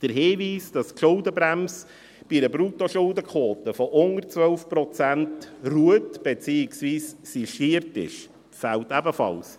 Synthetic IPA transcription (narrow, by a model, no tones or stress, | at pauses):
d̥əɾɦeːʋiːsd̥ɑskʃʊldəbɾæms | b̥idəbɾutoʃʊldəkʰoːt̪əfɔʔʊnərt͡sʋœlfpɾɔt͡sæntruətb̥ɛt͡siːɪksviːssiʃiəɾtɪ̰ʃ | fæltæbəfɑ̰ls